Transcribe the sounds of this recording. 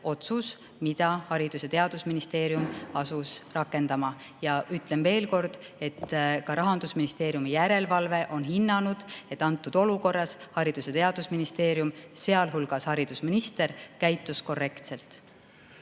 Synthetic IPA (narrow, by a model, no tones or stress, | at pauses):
o̞t̪sus | mid̪̥ɑhɑɾid̪̥uset̪e̞ɑd̪̥usminist̪e̞ːɾjumɑsusrɑkːˑe̞nd̪̥ɑmɑ | jɑʔyt̪ːˑle̞mve̞ːlko̞rd̪̥e̞t̪ːkɑɾɑɦɑnd̪̥usminist̪e̞ːɾjumijæɾe̞lvɑlve̞ʔo̞nɦinːɑnud̪̥e̞t̪ːˑɑnt̪ːˑud̪̥o̞luko̞rːɑshɑɾid̪̥uset̪e̞ɑd̪̥usminist̪e̞ːɾjumse̞ɑlɦulɡ̥ɑshɑɾid̪̥usminist̪e̞ɾkæjt̪ːˑusko̞rːe̞kt̪se̞lt̪ˑ